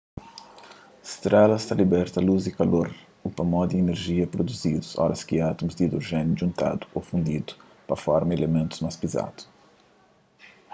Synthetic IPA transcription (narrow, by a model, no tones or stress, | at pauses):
st̪ɾɛlɐst̪alibɛɾt̪ɐluzɪkaloɾ | upɐmɔd̪ɪeneɾʒiɐpɾod̪uzid̪usɔ̰ɾɐskɪat̪umʊzd̪id̪ɾoʒɛnjuʒũnt̪a̰d̪ʊ̥ʔofũnd̪id̪ʊ̥ | pɐfɔɾmɐelemẽnt̪u̥zmajspiza̰d̪̥ʊ̥